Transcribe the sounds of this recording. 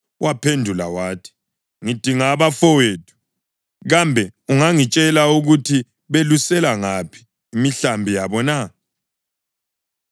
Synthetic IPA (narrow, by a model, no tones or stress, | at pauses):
wʔapʰendʱula̰waːtʰi̥ | ŋid̥ʱiŋaːβafɔweːtʰu̥ | ɣambʱɛuŋaŋit͡ʃʼɛlauɣutʰi | βelusɛlaŋapʰi̥ː | miɬambʱijaβɔna